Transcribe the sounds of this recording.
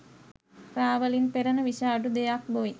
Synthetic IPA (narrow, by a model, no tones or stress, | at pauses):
raːʋəlinpeɾənəʋiʃaːɖud̪ejak̚boi